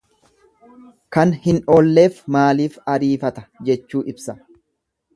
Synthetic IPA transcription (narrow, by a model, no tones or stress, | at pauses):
kɐnhɪnoːlːe̞ːfmaːliːfɐɾiːfɐt̪ɐ̥d͡ʒɛt͡ʃːuːʔɪbsɐ